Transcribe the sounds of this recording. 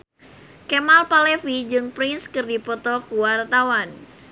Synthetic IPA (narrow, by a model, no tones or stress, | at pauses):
kɛmalpalefid͡ʒɨŋpɾɪnskɨrdipɔt̪ɔkuwart̪awan